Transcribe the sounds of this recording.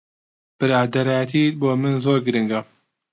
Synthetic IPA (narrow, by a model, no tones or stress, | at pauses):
b̥ɨɾaːd̪ɐɾaːjɛt̪ʰiboːmɨnzoːɾɡɨɾɨŋɡɐ